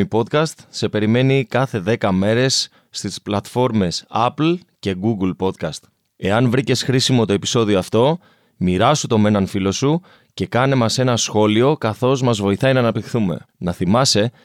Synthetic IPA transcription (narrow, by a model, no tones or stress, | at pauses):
ipo̞t̪kɐst̪se̞pe̞ɾime̞nikɐθe̞ðe̞kɐme̞ɾe̞sː | t̪isplɐt̪fo̞ɾme̞sɐpl | ce̞ɡuɡlpo̞t̪kɐst̪ | e̞ɐnvɾice̞sxɾisimo̞t̪o̞e̞pi̥so̞ðio̞ɐft̪o̞ | miɾɐsut̪o̞me̞nɐnfilo̞su | ce̞kɐne̞mɐse̞nɐsxo̞lio̞kɐθo̞zmɐzvo̞iθɐinɐːnɐp̚t̪ixθume̞̰nɐθimɐse̞